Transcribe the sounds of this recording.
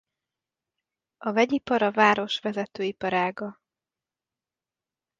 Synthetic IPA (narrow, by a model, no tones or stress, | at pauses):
ɒvɛɟipɒɾɒvaːɾo̞ʃʋɛzɛt̪øːipɒɾaːɡɒ